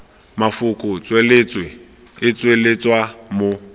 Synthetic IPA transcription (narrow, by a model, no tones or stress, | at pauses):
mafʊkʼʊt͡sʼwelɪt͡sʼwɪ | ɪt͡sʼwelɪt͡sʼwamʊ